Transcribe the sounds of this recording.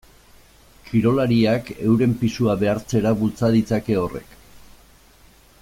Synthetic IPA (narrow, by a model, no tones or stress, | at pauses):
kʰiɾo̞laɾiake̞̰wɾe̞mpisuaβe̞aɾt͡se̞ɾaβult͡saðit͡sake̞o̞re̞̰k